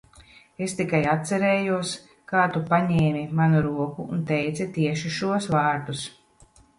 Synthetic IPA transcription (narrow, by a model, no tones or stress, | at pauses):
est̪ikajat̪sɛɾɛːjuɔs | kaːt̪upaɲɛːmʲimanuɾuɔkṵːnt̪ɛjt̪sɛt̪iɛʃiʃuɔsvaːɾd̪us